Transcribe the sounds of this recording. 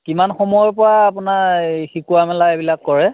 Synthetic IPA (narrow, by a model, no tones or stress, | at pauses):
kimanxɔmɔjɔpɔɹaːpʊnaxikuamɛlajbilakːɔɹɛ